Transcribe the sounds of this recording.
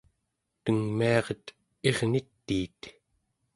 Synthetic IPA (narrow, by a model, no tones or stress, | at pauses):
t̪əŋmiɑʁət̪ | e̞ʁnit̪ːiːt̪